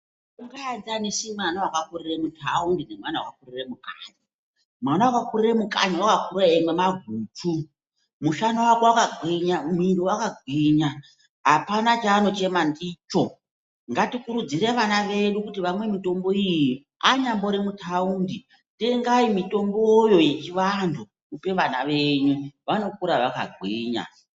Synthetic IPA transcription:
uŋɡaad͡zanesimanawakakuriremutʰaundinemwanawakakuriremukʼaːɲi | mwanawakakuriremukʼa̰ɲiwakakuɾaemwemaɡʱuːtʰu | muʃanawakowakaɡwiɲamuindowakaɡʱwiɲa | ɦapanat͡ʃaːno̞t͡ʃe̞mandiːt͡ʃo̞ | ŋɡatikuɾud͡ziɾeʋanaʋe̞ɗukutiʋamwe̞mito̞mbo̞ijji | aɲambo̞ɾemutʰaundi | teŋɡaimito̞mbojo̞je̞t͡ʃiʋandʰu | kupe̞ʋana̰ʋe̞ɲuʋano̞kuɾaʋaka̰ɡʱwiːɲa̰

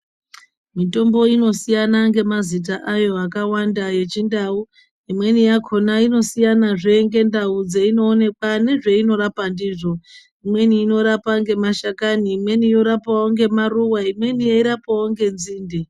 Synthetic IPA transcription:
mito̞mbo̞ino̞sijanaŋɡe̞mazit̬aʔajo̞akawandaje̞t͡ʃindau | imwe̞nijakʰo̞naino̞sijanaʐe̞ŋɡe̞ndaud͡zeino̞ːne̞kwane̞ʐe̞ino̞ɾapandiːʐo̞ | imwe̞niːno̞ɾapaŋɡe̞maʃakaniːmwe̞nijo̞ɾapawoŋɡe̞maruwaimwe̞nijaiɾapawoŋɡe̞nziːndi

